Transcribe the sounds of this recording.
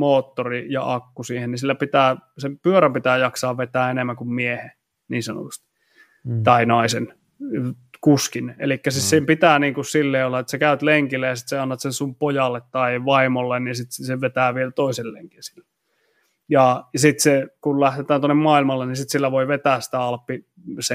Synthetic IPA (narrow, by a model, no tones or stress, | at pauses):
moːt̪ːorijɑ̰ʔɑkːusiːhenisilːæpit̪æːsempyøɾæmpit̪æːjɑksɑːʋʋet̪æːenemːæŋkummiehe | niːnsɑno̰t̪u̥st̪i̥ | t̪ɑinɑisen | kuskinḛlikːæsitsempit̪æːniːŋkussilːeiolːɑet̪sekæyt̪leŋkilːejɑsi̥t̪seɑnːɑt̪sensumpojɑlːet̪t̪ɑiʋɑimolːenninsit̪seʋet̪æːʋielt̪oiselːḛŋkinsi̥lːe | jɑsit̪sekullæht̪et̪ˑæːnt̪onːemmɑilmɑlːenisit̪silːæʋoiʋet̪æːssi̥t̪æɑlpːi | se